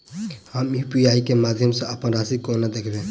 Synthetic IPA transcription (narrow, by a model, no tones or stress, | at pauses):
həmipijaːikemaːd̪ʱjəmseɐpənɾaːsikonad̪eːkʰbẽ